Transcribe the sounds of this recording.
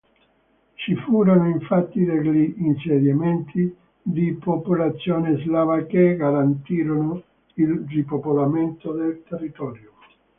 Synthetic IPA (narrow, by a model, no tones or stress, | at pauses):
t͡ʃifuːɾonʊiɱfat̪ːid̪eʎːiːnsed̪jament̪ʰi | d̪ipopulat̪sːjoːnezlavakeɡaɾant̪iːɾonʊ | ilripopolament̪od̪elt̪erːit̪ɔːɾjo